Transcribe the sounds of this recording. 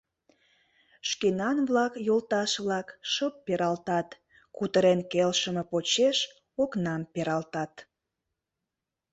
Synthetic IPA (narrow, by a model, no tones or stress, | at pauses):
ʃkenɑnβlɑkjolt̪ɑʃβlɑkʃəpːeɾɑlt̪ɑt̪ | kut̪əɾenkelʃəməpot͡ɕeʃ | oknɑmpeɾɑlt̪ɑt̪